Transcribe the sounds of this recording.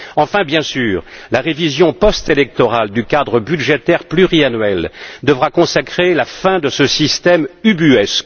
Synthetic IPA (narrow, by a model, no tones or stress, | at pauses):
ɑ̃fɛ̃bjɛ̃syːʁlaʁevizjɔ̃pɔst̪elɛk̚t̪ɔʁald̪ykad̪ʁəbyd̪ʒet̪ɛʁplyʁianɥɛld̪əvʁakɔ̃sakχelafɛ̃d̪əsəsist̪ɛmybyɛsk